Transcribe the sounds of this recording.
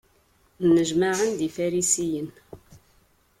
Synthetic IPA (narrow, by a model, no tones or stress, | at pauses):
nːəʒmaʕənd̪ifæɾisijən